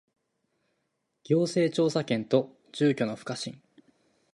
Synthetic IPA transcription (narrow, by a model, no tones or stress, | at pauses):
ɡ̥ʲo̞ːse̞ːt͡ɕo̞ːsakẽ̞nt̪o̞ | d͡ʑ̥ɨːkʲo̞no̞ɸɯ̟̥kaɕḭ̃ŋ